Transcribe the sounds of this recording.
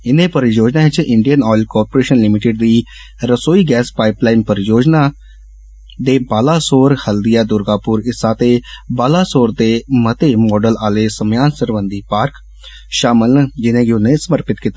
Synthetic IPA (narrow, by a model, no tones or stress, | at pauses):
ɪnẽːpəɾjoːd͡ʒnaːɪt͡ʃɪɳɖijənɔːɪlkɔːɾpoɾeːʃənlɪmɪʈɪɖ̚d̪iː | ɾəsoːiːɡɛːspaːɪplaːɪmpəɾjoːd͡ʒnaː | d̪eːbaːlaːsoːɾhəld̪ijaːd̪ʊɾɡaːpʊɾɪsaːt̪eːbaːlaːsoːɾd̪eːmət̪eːmɔːɖəlaːleːsəmjaːnsəɾʋənd̪iːpaːɾk | ʃaːmɪlnəd͡ʒɪnẽːɡɪʊnẽːsəməɾpɪt̪kit̪a